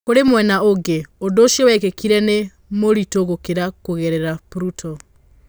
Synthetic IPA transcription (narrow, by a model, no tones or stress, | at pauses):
koɾemwɛnaoɡeodoːʃiɔwɛkekiɾɛne | moɾitoɣokeɾakoɣeɾeɾapɾutʰɔ